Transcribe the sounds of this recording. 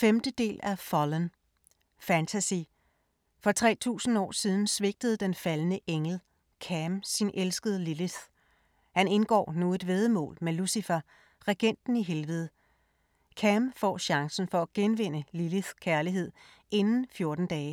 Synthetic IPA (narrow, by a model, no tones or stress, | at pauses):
femd̥əd̥e̝̰ːlʔæfɒlən | fænt͡sʰæsi | fɒ̽t͡sʰʁɛ̰ːt͡sʰṵːsn̩ɒ̰ːsiːð̞ˠn̩sʋe̝ɡ̥̚d̥əð̞̩ˠd̥enfælnəʔeŋl̩ | kʰæmsinʔelsɡ̥əð̞ˠliliθ | hæne̝nɡ̥ɒ̰ːnoːð̩ˠʋe̝ð̞ˠəmɔ̰̽ːlmelusifæ | ʁeɡ̥en̰d̥n̩iɦelʋəð̞ˠ | kʰæmfɒ̰ːɕɑ̈ŋsn̩fɒ̽æɡ̥enʋe̝n̰əliliθkʰæɐliɦe̝ð̰ˠ | ʔe̝nn̩fjo̝ɐd̥n̩d̥ɛː